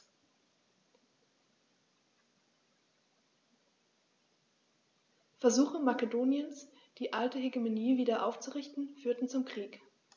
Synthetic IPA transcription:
fɛɐzuːxəmakedoːnjəns | d̥iːʔaltəheɡemoniːviːdɐʔaʊft͡suʁɪçtn̩fyːɐtn̩t͡sʊmkʁ̥iːk

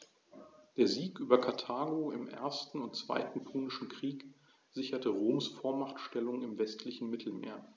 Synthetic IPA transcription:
d̥eːɐziːkʔyːbɐkʰaɐtʰaːɡoːɪmʔḛɐstn̩ʊntt͡sv̥a̰ɪtn̩pʰuːnɪʃn̩kʁ̥iːk | z̥ɪçɐtəʁoːmsfoːɐmaχtʃtɛlʊŋɪmvɛstʰlɪçn̩mɪtʰl̩mḛːɐ

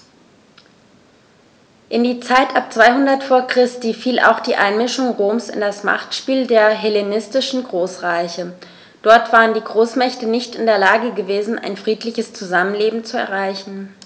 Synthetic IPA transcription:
ʔɪndiːt͡saɪtʰʔap̚t͡sv̥aɪhʊndɐtfoːɐkʁ̥ɪstiːfiːlʔa̰ʊxd̥iːʔa̰ɪnmɪʃʊŋʁoːmsɪ̰ndasma̰χtʃpiːldeːɐɦɛlenɪstɪʃn̩ɡʁoːsʁaɪçə | d̥ɔɐtv̥aːʁəndiːɡʁoːsmɛçtənɪçtɪndeːɐlaːɡəɡəveːzn̩ʔa̰ɪnfʁ̥iːtlɪçəst͡suzamənleːbm̩t͡suɛ̰ɐʁ̞aɪçn̩

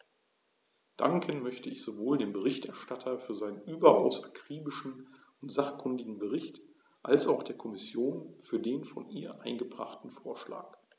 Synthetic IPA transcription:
d̥a̰ŋkʰənmœçtəɪçz̥ovoːldeːmbəʁɪçtʔɛɐʃtatʰɐfyːɐzaɪnənʔyːbɐʔa̰ʊsʔakʁ̥iːbɪʃn̩ | ʊntz̥aχkʰʏndɪɡŋ̩bəʁɪçt | ʔalsaʊxd̥eːɐkʰɔmɪsjoːnfyːɐdeːnfɔnʔḭːɐʔaɪnɡəbʁa̰χtn̩foːɐʃla̰ːk

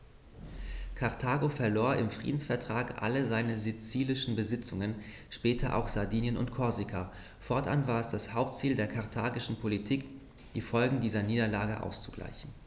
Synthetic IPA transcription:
kʰaʁtʰaːɡofɛɐloːɐɪmfʁ̥ḭːdn̩sfɛɐtʁ̥aːkʔa̰ləzaɪnəzit͡siːlɪʃn̩bəzɪt͡sʊŋən | ʃpɛːtʰɐʔa̰ʊxz̥aɐdiːnjənʊ̰ntkʰɔɐzikʰa | fɔɐtʔa̰nvaːɐɛsd̥ashaʊp̚tt͡siːldeːɐkʰaɐtʰaːɡɪʃn̩pʰolitʰiːk | d̥iːfɔlɡŋ̩diːzɐniːdɐlaːɡəʔa̰ʊst͡suɡ̥la̰ɪçn̩

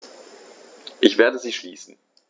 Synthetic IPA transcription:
ʔɪçv̥eːɐdəziːʃliːsn̩

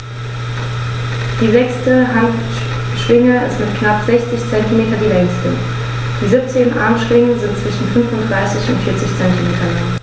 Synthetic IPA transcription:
d̥iːzɛkstəɦant | ʃʁ̥ɪŋəɪ̰stmɪtkʰnapz̥ɛçt͡sɪçt͡sɛntimeːtɐdiːlɛŋstɪ̰ | d̥iːzɪp̚t͡seːnʔa̰ɐmʃʁ̥ɪŋənzɪntt͡sv̥ɪʃn̩fʏnfʊntd̥ʁaɪsɪçʊ̰ntfɪːɐt͡sɪçt͡sɛntimeːtɐlaŋ

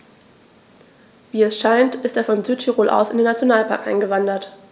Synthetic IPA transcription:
viːɛsʃaɪntʔɪsteːɐfɔnzyːttʰiʁoːlʔa̰ʊsɪndeːnat͡sjonaːlpʰa̰ɐkʔaɪnɡəvandɐt

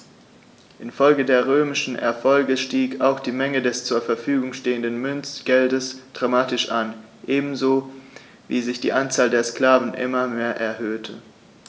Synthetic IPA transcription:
ʔɪnfɔlɡədeːɐʁ̞øːmɪʃn̩ʔɛ̰ɐfɔlɡəʃtiːkaʊxd̥iːmɛŋədɛst͡suːɐfɛɐfyːɡʊŋʃteːəndənmʏnt͡sɡ̥ɛldəsd̥ʁamaːtɪʃʔan | ʔeːbm̩zoː | vḭːzɪçd̥ḭːʔant͡saːldeːɐskl̥aːvn̩ʔɪ̰mɐmeːɐʔɛɐɦøːtʰə

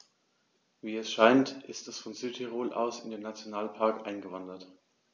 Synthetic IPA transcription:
viːɛsʃaɪntʔɪstɛsfɔnzyːtʰiʁoːlʔa̰ʊsɪndeːnːat͡sjonaːlpʰaɐkʔaɪnɡəvandɐt

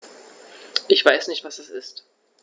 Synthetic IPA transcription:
ʔɪçv̥aɪsnɪçtv̥asd̥asɪst

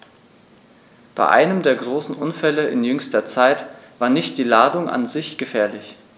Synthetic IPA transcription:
b̥a̰ɪʔa̰ɪnəmdeːɐɡʁoːsn̩ʔʊnfɛləʔɪ̰njʏŋstɐt͡saɪtv̥aːɐnɪçt̚d̥iːlaːdʊŋʔa̰nzɪçɡ̥əfɛːɐlɪç

